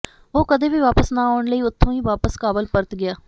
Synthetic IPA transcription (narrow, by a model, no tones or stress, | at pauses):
oːkəd̪eːʋiːʋaːpəsnãːaːʊɳləiːʊt̪ʰːõːĩːʋaːpəskaːbəlpəɾt̪ɡɪaː